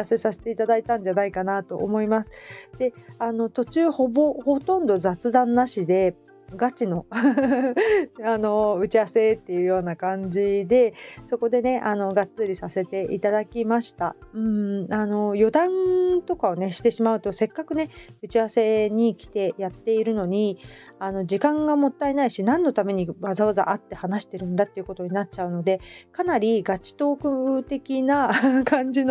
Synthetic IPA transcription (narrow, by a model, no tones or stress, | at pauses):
ase̞sase̥t̪e̞it̪ad̪ait̪ãɲ̟d͡ʑanaikanat̪o̞ʔːmo̞imasɨ̥d̪̥e̞ano̞t̪o̞t͡ɕɨːho̞bo̞ho̞t̪õ̞nd̪o̞zat͡sɨd̪ãnːaɕid̪e̞ | ɡat͡ɕino̞ | ano̞ɯ̟t͡ɕiase̞t̪ːe̞jɯ̟jo̞ːnakãɲ̟d͡ʑid̪e̞so̞ko̞d̪e̞ne̞ʔano̞ɡat͡sɨɾʲisase̞t̪e̞ʔit̪ad̪akʲimaɕi̥t̪aɯ̟̃ɴano̞jo̞d̪ãnt̪o̞kao̞ne̞ɕi̥t̪e̞ɕimaɯ̟t̪o̞se̞kːakɯ̟ne̞ɯ̟t͡ɕiβase̞ɲ̟ikʲi̥t̪e̞jat̪ːe̞iɾɯ̟no̞ɲ̟iano̞d͡ʑikãŋɡamo̞t̪ːainaiɕinãnːo̞t̪ame̞ɲ̟iβazaβaza̰ʔat̪ːe̞hanaɕi̥t̪e̞ɾɯ̟̃nd̪at̪ːe̞iɯ̟ko̞t̪o̞ɲ̟inat͡ɕaɯ̟no̞d̪e̞kanaɾʲiɡat͡ɕi̥t̪o̞ːkɯ̟t̪e̞kʲinakãɲ̟d͡ʑino